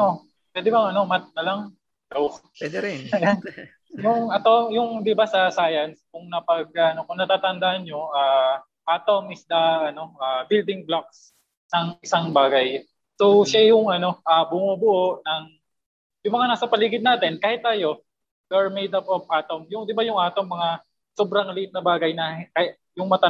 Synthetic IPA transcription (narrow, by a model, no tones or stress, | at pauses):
o | pwɛːd̪ɪbɐŋɐno̞mɐt̪̚nɐlɐŋ | d̪aw | wɛd̪ɛɾɛj | jʊŋʔɐt̪o̞jʊŋd̪ɪbasɐsaːjɐnskʊŋnɐpɐɡ̚ɐno̞kʊŋnɐt̪aːt̪ɐnd̪aʔɐnɲo̞ʔaː | paːt̪omɪsd̪ɐɐno̞aːbɪld̪ɪŋblak̚s | ɐŋʔɪsaŋbaːɡɐj | sowʃajʊŋʔɐno̞ʔabʊmubʊʔoʔnɐŋ | jʊŋmɐŋanaːsɐpɐliːɡɪd̪̚naːt̪ɪnkaːhɪt̪̚ːaːjo̞ | ɡɛɹmejd̪ɐp̚ʔopʔaːt̪omjʊŋd̪ɪbajʊŋʔaːt̪oŋmɐŋa | sobɾɐŋlɪʔɪt̪̚nɐbaːɡɐjnɐkɐa | jʊŋmɐt̪ɐ